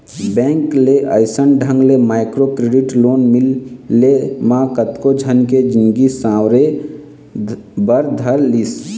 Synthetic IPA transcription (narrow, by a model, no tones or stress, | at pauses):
bɛ̃ːŋkleʔəɪsənɖʱə̃ŋɡlemaːɪkɾokɾeːɖɪʈloːnmɪlːemãːkət̪kod͡ʒʱənked͡ʒɪ̃nɡisãːwɾe | bəɾd̪ʱəɾlis